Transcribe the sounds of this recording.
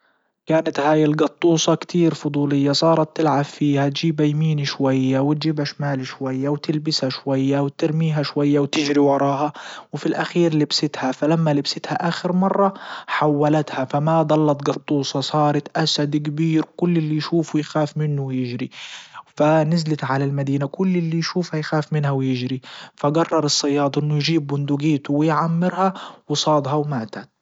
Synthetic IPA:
kaːnat̪haːjɪlɡɑt̪ˤːuːsˤɑkt̪ʰiːɾfʊd̪ˤuːlɪjːasˤɑːɾˤɑt̪ːɪlʕabfiːhat̪d͡ʒiːbajmiːniʃwajːawɪt̪̚d͡ʒiːbaʃamaːlʃwajːawt̪ɪlbɪshaʃwajːawt̪ɪɾmiːɦaʃwajːawt̪ɪd͡ʒɾiwɑɾˤɑːɦɑwɪfilʔaxiːɾlɪbsɪt̪hafalamːalɪbsɪt̪haʔaːxɪɾmɑrˤːɑħawːalat̪hafamad̪ˤɑlːɑt̪ɡɑt̪ˤːuːsˤɑsˤɑːɾˤɑt̪ʔasad̪k̬abiːɾkʊlːɪlːijʃuːfwjxaːfmɪnːʊwjɪʒɾifanɪzlɪt̪ʕalalmad̪iːnakʊlːɪlːijʃuːfhajxaːfmɪnhawjɪʒɾifaɡɑrˤːɑɾˤɨsˤːɑjːɑːd̪ˤʔɪnːʊjʒiːb̚ːʊnd̪uɡiːt̪uwɪjʕamːɪɾhawɪsˤɑːd̪ˤɦɑwmaːt̪at̪

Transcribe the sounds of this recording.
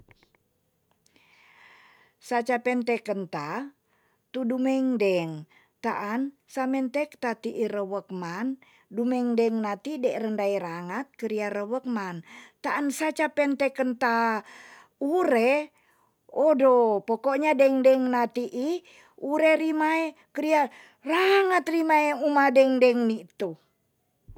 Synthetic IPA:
sat͡ʃapɛnt̪ɛkənt̪a | t̪udumɛŋdɛŋ | t̪aʔan | samɛnt̪ɛkt̪at̪iʔiɾəwək̚man | dumɛŋdɛŋnat̪idɛʔrəndaiɾaŋat̪̚kəɾiaɾəwək̚mant̪aʔːnsat͡ʃapɛnt̪ɛkənt̪a | uɾɛ | ɔdopokɔʔɲadɛŋdɛŋnat̪iʔi | uɾɛɾimaɛkəɾia | raŋət̪rimaɛumadɛŋdɛŋnit̪u

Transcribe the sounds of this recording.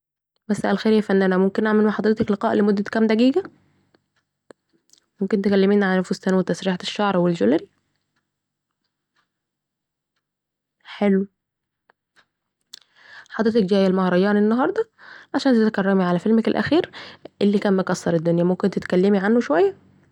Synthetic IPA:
mæsːæʔælxeːɾjæfænːʔænæmomkenʔaʕmelmaħɑd̪ˤɾet̪ɑkleqɑːʔlemod̪ːækæmd̪æɡiːɡæ | momkent̪ekælːemiːnʕaænfost̪ænwet̪æsɾiːħeʃːɑʕɾˤwelʒolɾi | ħelw | ħɑd̪ˤɾet̪ɑkd͡ʒæːjːælmɑhɾˤɑjɑːnenːɑɦɑɾˤd̪ˤɑʕaʃæːnt̪et̪ækærˤːæmiʕalæfelmækelʔæ̰xiːɾʔelːiːkæːnmokɑsˤːɑɾˤed̪ːonjæmomkent̪et̪kælːemiʕanːoʃowæjːæ

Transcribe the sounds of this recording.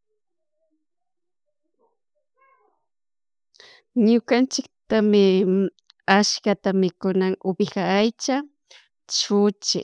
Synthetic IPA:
ɲʊkant͡ʃɪk̚t̪amɪ | aʃkat̪amɪkʊnaŋʊbɪxaːjt͡ʃa | t͡ʃʊt͡ʃɪ̰

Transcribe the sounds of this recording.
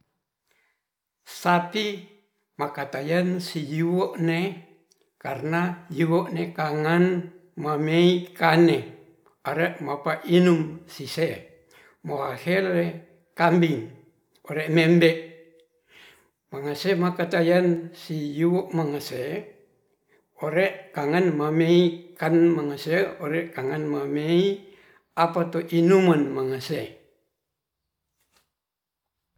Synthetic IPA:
sapi | makat̪ajansijuwoʔne | karnajuwoʔnekaŋanmameikane | aɾeʔmapaʔinumsise | moahɛlːe | kambiŋ | oɾeʔmɛmbeʔ | maŋasemakat̪ajansijuwoʔmaŋase | oɾeʔkaŋanmameikanmaŋaseoɾekaŋanmamei | apat̪oʔinumanmaŋase

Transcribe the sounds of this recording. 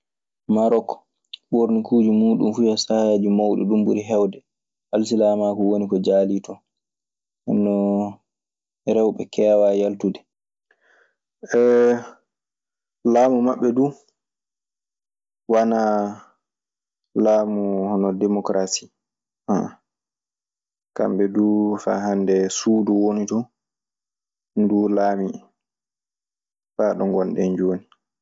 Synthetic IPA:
maɾɔkɔ̥ | ɓoɾnikuːd͡ʒimuːɗṵmfujasajaːd͡ʒimawɗɛ̰ɗumbuɾiɦɛwdɛ | ʔals̬ilamakɔwonikɔd͡ʒaːlitɔ | ɛ̰nːɔ | ɾɛwɓɛkʰɛːwajaltudɛ | ɛ | laːmumaɓːɛdu | wana | laːmuhɔnɔdemɔkɾasi̥ | a | ka̰mɓɛdufa̰ɦandɛsuːduwonitɔ | ndulaːmi | faːɗɔŋɡɔnɗɛnd͡ʒoːni

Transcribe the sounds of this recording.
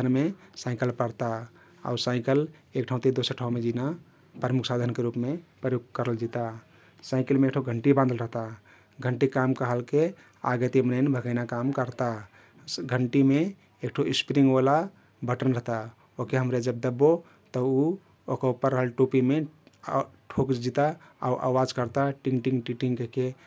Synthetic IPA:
ənmesaɪkəlpəɾt̪a | a̰usaɪkəlekʈʰaɦũt̪id̪osəɾʈʰaomed͡ʒina | pɾəmukʰsad̪ʱənkeɾupmepɾəjoɡ̚kəɾəld͡ʒit̪a | saɪkəlmeːkʈʰoɡʱəɳʈibãnd̪əlɾəɦt̪a | ɡʱəɳʈikamkəɦəlke | a̰ɡət̪imənəɪnbʱəɡəɪnakamkəɾt̪a | ɡʱəɳʈime | ek̚ʈʰoispɾiŋɡʋala | bʱəʈənɾəɦt̪a | okeɦəmɾed͡ʒəb̚d̪əbːo | t̪əu | okaupəɾːəɦəlʈopime | ʈʰokd͡ʒit̪a | a̰uʔa̰wad͡ʒkəɾt̪aʈĩŋɡʈiŋɡʈiʈiŋkeke

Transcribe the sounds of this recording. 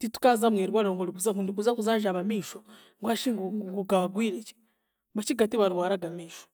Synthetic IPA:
titu̥kazamweɾiβwaɾoːŋɡoliβuzakunduβuzakuzaːʒaβamiːʃo | ŋɡwaʃiŋɡŋɡuɡaβaɡwiːɾet͡ʃi̥ | bat͡ʃiɡatiβaɾiβwaːɾaɡamiːʃo

